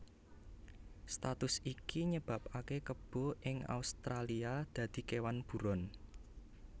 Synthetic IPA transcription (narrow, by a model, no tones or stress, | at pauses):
st̪at̪ʊsikiɲəb̥a̤p̚akekəb̥ɔ̤ʔɪŋa̰ust̪ɾaliad̪̥ä̤d̪̥i̤kewanb̥ṳɾɔn